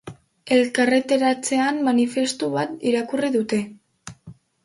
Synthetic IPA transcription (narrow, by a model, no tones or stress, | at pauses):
e̞lkare̞t̪e̞ɾat͡se̞ammanife̞st̪uβat̪iɾakuriðut̪e̞